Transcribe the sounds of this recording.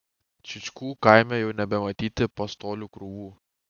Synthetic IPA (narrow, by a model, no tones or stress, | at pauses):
t͡ʃʲɪt͡ʃʲkuːkaˑɪmʲɛjɛʊnʲɛbʲɛmɐt̪ʲiːt̪ʲɪpɐst̪oːlʲuːkɾʊʋuː